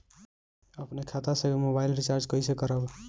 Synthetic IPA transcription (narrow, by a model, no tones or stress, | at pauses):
əpnekʰat̪asəɡemobailɾit͡ʃaɾd͡ʒkəisekəɾəb